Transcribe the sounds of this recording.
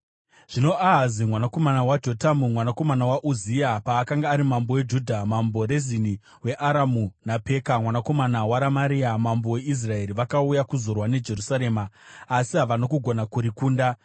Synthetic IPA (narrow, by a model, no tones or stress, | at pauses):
ʐ̥ino̞aɦazimwanako̞manawad͡ʒo̞tamumwanako̞manawaʔuziapaːkaŋɡaːɾimambo̞we̞d͡ʒudʱamambo̞ɾezini | we̞ʔaɾamunape̞kamwanako̞manawaɾamaɾiamambo̞we̞is̬rae̞ɾiʋakaujakuzo̞rwane̞d͡ʒe̞rusaɾe̞ːmaːsiɦaʋanokuɡʱo̞nakuɾikuːnda